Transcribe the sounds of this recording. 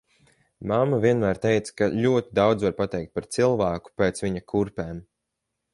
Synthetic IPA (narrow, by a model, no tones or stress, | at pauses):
mamːavʲiɛnmæːɾt̪ejt̪skaʎʲuɔt̪id̪awd̪zvaɾpat̪ɛjk̚t̪̚paɾt̪silˠvæːku̥peːt̪sviɲakʰuɾpɛːm